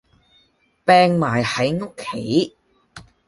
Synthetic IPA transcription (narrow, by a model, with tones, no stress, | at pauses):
pɛː˧ŋmaː˨˩jhɐ˨˥jŋo˥kʰːe˨˥j